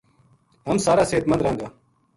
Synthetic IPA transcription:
ɦəmsaːɾaːseːt̪mənd̪ɾãːŋɡaː

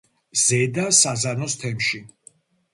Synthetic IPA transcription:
z̥ɛd̪asazanɔst̪ʰɛmʃi

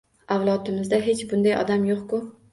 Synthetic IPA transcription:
awlˠɒt̪ɪmɪzd̪aɦe̞t͡ʃbʊnd̪ajɒ̰d̪amjoqkʊ

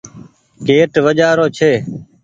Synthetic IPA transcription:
keːʈʋəd͡ʒaːɾoːt͡ʃʰeː

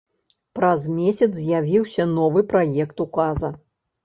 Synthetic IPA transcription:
pɾɐzmʲɛsʲɐt̪zzʲjavʲiwsʲɐnɔvɨpɾajɛkt̪ukazɐ

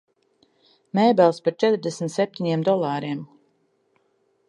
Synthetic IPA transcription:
mɛːbɛlˠspaɾt͡ʃɛt̪ɾd̪ɛsmt̪sɛp̚t̪ʲiɲimd̪ɔlˠaːɾim

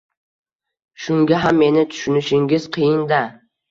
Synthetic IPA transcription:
ʃʊŋɡʲaɦamːe̞nɪt̪ʰʊ̥ʃʊnɪʃɪŋɡʲɪz̥qʰɨjɪnd̪a

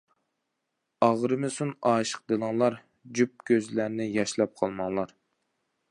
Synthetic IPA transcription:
ɑʁɾɨmɨsunɑːʃə̥q̚d̪ɨlˠəŋlˠɑɾ | d͡ʒyp̚kʲʰøzlæɾnɪjɑʃlˠɑp̚qʰɑlˠmɑŋlˠɑɾ

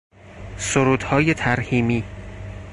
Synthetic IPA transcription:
soɾuːd̪̥hɒːje̞t̪ʰæɾhiːmiː

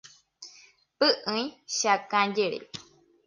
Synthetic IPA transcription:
pɨʔɨ̃ĩʃakãd͡ʒeɾḛ

